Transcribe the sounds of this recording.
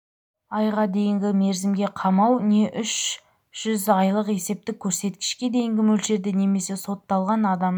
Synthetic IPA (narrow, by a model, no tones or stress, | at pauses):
ɑjʁɑd̪e̞jɪŋɡʲɪme̞ɾzɪmɡʲe̞qʰɑmɑwne̞ʔʏʃ | ʒ̥ʏzɑjlˠəqe̞se̞p̚t̪ɪkʲʰːɵɾse̞t̪kʲɪ̥ʃkʲe̞d̪e̞jɪŋɡʲɪmɵlʃe̞ɾd̪ɪne̞me̞se̞so̞t̪ːɑlˠʁɑnɑd̪ɑm